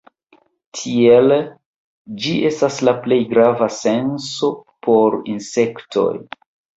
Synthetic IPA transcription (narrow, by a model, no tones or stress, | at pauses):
tʰie̞l | d͡ʒiʔe̞staslaple̞jɡɾavase̞nso̞pʰo̞ɾinse̞ktʰo̞̰j